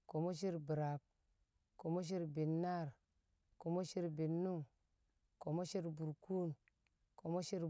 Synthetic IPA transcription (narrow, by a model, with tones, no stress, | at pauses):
ko˨mo˦ʃ̬i˦ɾbi˨ɾa˨p̚ | ko˨mo˦ʃ̬i˦ɾbi˨nːa˦˨ɾ | ko˨mo˦ʃi˦ɾbi˨nːu˦ŋ | ko˨mo˦ʃi˦ɾbu˨ɾku˦n | ko˨mo˦ʃi˦ɾ